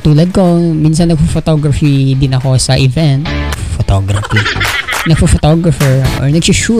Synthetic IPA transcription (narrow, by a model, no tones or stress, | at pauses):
t̪uːlɐd̪̚kominsɐnːɐɡ̚fofot̪oɡɾɐfid̪ɪnɐko̞sɐʔɪvɛnt̪̚fot̪oːɡɾɐfinɐɡ̚fofɔt̪oɡɾɐfɛɹʔɔ̰ɹnɐɡsʊʃu